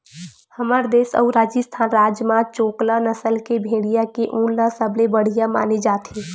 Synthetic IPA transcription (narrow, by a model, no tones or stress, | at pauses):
həmaɾd̪eːsə̰ʊɾaːd͡ʒəst̪ʰaːnɾaːd͡ʒmat͡ʃoːklanəsəlkebʱeːɽijakeʔũnlasəblebəɽ̤ijama̰ːned͡ʒaːt̪ʰi